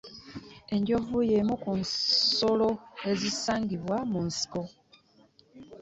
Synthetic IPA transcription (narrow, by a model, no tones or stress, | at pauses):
e̞ɲɟo̞vujemukunso̞lo̞e̞zisaːŋɡiβwamunsi̥ko̞